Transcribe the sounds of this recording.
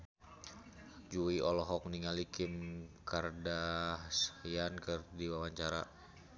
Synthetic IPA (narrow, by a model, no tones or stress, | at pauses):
d͡ʒuiɔlɔɦɔk̚niŋalikɪmkardasjankərdiwawaɲt͡ʃaɾa̰